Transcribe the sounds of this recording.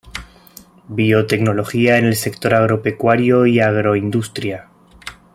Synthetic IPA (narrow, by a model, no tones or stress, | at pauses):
bio̞t̪e̞kno̞lo̞xiae̞ne̞lse̞kt̪o̞ɾaɣ̞ɾo̞pe̞kwaɾjo̞iaɣɾo̞ind̪ust̪ɾja